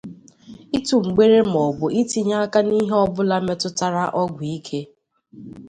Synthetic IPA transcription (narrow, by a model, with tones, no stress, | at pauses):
i˦tu˨ŋ͡m̩˨ɡ͡be˦ɾe˦m̩˨ɔ˨ɡʊ˨i˦ti˦ɲa˦ka˦ni˦ɦe˦ɔ˦bʊ˦la˦me˦tʊ˦ta˦ɾa˦ʔɔ˦ɡʷi˦kʰe˦